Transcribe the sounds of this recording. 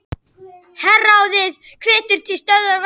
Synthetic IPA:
hɛrːaːwðɪðkʰvɪːt̪ʏɾ̥t̪ʰɪlst̪œððaɾv

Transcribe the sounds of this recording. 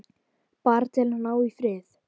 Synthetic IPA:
paɾt̪ɛlnanːaːwifɾɪːθ

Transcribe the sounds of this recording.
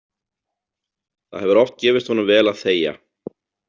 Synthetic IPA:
θa̰ðhɛvʏɾɔft̪̚cɛːvɪst̪hɔnʏmvɛːlaðθeːja̰

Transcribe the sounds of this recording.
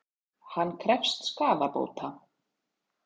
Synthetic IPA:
hanːkʰɾɛfst̪skaːvapo̰ːwt̪ʰa

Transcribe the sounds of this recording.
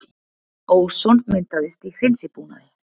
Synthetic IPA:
owsonment̪aðest̪ixensipuna̰ðe

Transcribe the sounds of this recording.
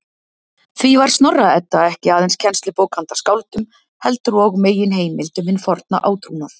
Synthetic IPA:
θvivaɾ̥st̪nɔrːaɛt̪ːaɛhcɪaːðɛnscʰɛnst̪lʏpoːwkʰant̪ḁskaːwlt̪ʏm | hɛlt̪ʏɾɔɣmeːjɪnɦeːjmɪlt̪ʏmɪnfɔɾt̪̚na̰ʔaːwt̪ʰɾuːnḁ

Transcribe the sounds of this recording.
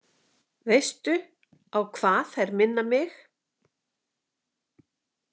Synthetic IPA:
vejst̪ʏ | awkʰvaːθɛjɾmɪnːamɪx

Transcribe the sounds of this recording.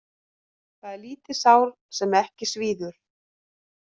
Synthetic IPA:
θaðɛɾliːt̪ɪsaːwɾ | sɛmɛhcɪsviːðʏɾ̥

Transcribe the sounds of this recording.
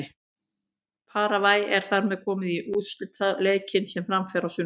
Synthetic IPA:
ɪ | pʰaːɾavaːjɛɾ̥θaɾmɛðkʰɔːmɪðiʔuːt̪slʏt̪ʰːaðleːjcɪnsɛmfɾamfɛɾawsʏ

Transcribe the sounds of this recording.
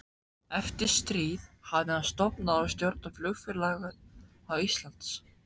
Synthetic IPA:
ɛft̪ɪɾ̥st̪ɾiːðhavðɪaðst̪ɔpnaawst̪jɔɾt̪nʏmflʏɣfɪɾlaːɣʏð | awist̪lant̪s

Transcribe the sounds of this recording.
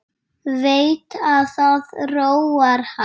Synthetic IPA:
veːjt̪aðθaðroːwaɾ̥ha

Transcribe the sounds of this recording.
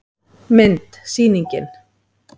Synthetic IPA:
ment̪siːniŋkḛn

